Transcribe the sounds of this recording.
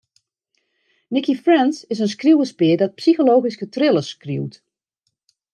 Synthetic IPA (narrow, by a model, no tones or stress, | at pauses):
nɪkifrɛnsɪsəns̬kruwəspɪədɔt̚psixoloːɣiskətrɪlˠəskruwt